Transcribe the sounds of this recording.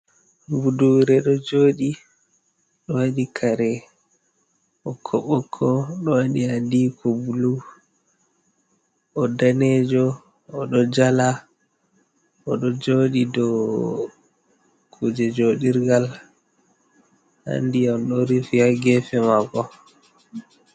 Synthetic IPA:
buduɾɛɗɔd͡ʒoːɗi | ɗɔwaɗikʰaɾɛ | ɔkʰɔɓɔkʰːɔɗɔwaɗiandikʰɔbulu | ɔdanɛd͡ʒɔ | ɔɗɔd͡ʒala | ɔɗɔd͡ʒoːɗidɔ | kʰud͡ʒɛd͡ʒoɗiɾɡal | ha̰ndiamɗɔɾifiaɡɛfɛmakɔ

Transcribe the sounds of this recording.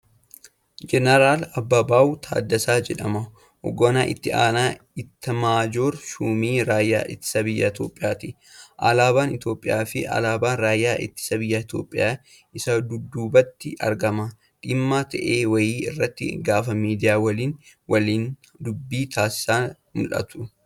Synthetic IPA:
d͡ʒɛnɐɾaːlɐbːɐbaːut̪ʰa̰ːd̪ːɐsaːd͡ʒɛᶑɐmɐ | ʔɔ̰ɡoːnaːʔɪ̰t̪ːɪʔa̰ːnaː | ɪt̪ːɐmaːd͡ʒoːɾʃuːmiːɾaːjːa̰ːʔɪt̪ːɪ̥sɐbɪjːɐɪt̪jo̞ːpʼɪjaːt̪i | ʔa̰laːbaːnɪt̪jo̞ːpʼːɪjaːfɪʔɐ̰laːbaːnɾaːjːaːʔɪ̰t̪ːɪ̥sɐbɪjːaɪt̪jo̞̰ːpʼːɪjaː | ɪsɐd̪ʊd̪ːuːbɐt̪ːɪʔɐ̰ɾɡɐmɐ | ᶑɪmːaːt̪ɐ̰ʔeːwɐjiːɪrːɐt̪ːɪ̰ɡaːfɐmiːd̪ɪjaːwɐliːn | wɐliːn | d̪ʊbːiːt̪ʰaːsɪ̥saː | mʊ̰lʔɐ̰t̪ʊ

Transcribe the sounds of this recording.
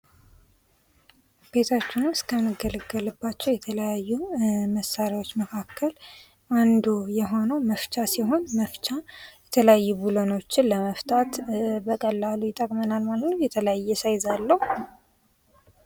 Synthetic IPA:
b̥e̞t̪ʰat͡ʃːɪnɨskʰənːɨɡələɡːəlɨbːat͡ʃːɛwjɛt̪ʰələjajːuməsaɾjwo̞t͡ʃːməkʰakːəl | ʔand̪ujɛɦo̞nəwməft͡ʃʼasiɦo̞nməft͡ʃʼajɛt̪ʰələjajːubulono̞t͡ʃːɪnləməft̪ʰʼat̪bəkʼəlːalujɪt̪ʼəkʼmənalmalənəjɛt̪ʰələjajːɛsajzalːəhu

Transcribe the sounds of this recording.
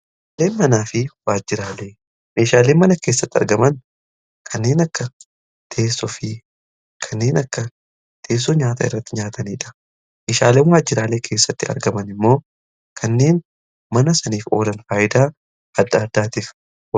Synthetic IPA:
le̞ːnmɐnaːfɪwaːd͡ʒːɪɾaːle̞ː | me̞ːʃaːle̞ːnmɐnɐke̞ːsːɐt̪ːɪɐ̰ɾɡɐmɐn | kʰɐnːe̞ːnɐkːɐ | t̪ʰe̞ːsːɔfɪ | kʰɐnːe̞ːnɐkːɐ | t̪ʰe̞ːs̬ːɔɲaːt̪ɐ̰ɪ̰rːɐt̪ːɪɲaːt̪ʰɐniːᶑɐ̥ | meːʃaːle̞ːnwaːd͡ʒːɪɾaːleːkʰe̞ːsːɐt̪ːɪɐ̰ɾɡɐmɐnɪmːo̞ː | kʰɐnːe̞ːn | mɐnɐsɐniːfo̞̰ːlɐnfaːʔɪd̪aː | ɐd̪ːaːd̪ːaːt̪iːf

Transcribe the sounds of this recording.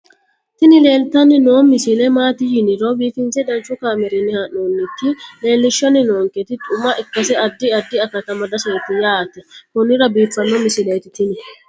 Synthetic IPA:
t̪ɪnɪle̞ːlt̪ɐnːɪnoːmɪsɪlɛmaːt̪ɪjɪnɪɾoːbiːfɪnsɛd̪ɐnt͡ʃːʊkaːmɛɾinːɪhɐnːonːɪk̪ːɪle̞ːlːɪʃːɔnːɪnoːŋkɛt̪ɪt̪ʼʊmɐʔɪkːɐsɛɐd̪ːɪɐd̪ːɪɐkɐt̪ɐmɐd̪ɐsɐjt̪ɪjaːt̪ɛkʊnːɪɾɐbiːfːɐnːɔmɪsɪlejt̪ɪt̪ɪnɪ

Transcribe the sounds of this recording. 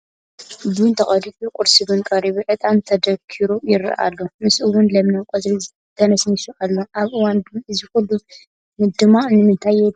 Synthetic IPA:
bunt̪ʰɐχʼɐditʼukʼʊɾsiβɨnkʼɐɾiβiʕɨt̪ʼant̪ʰɐd̪ɐkʰiɾojɪɾɐ̰ʔa̰lːomɨsʔɨwːʊnlɐmnɐwkʷʼɐzʼɾi | t̪ʰɐnɐsnisuʔalːoʔaβʔɨwandɨzɨxɨlu | nɨd̪ɨmanɨmɨnt̪ʰaje

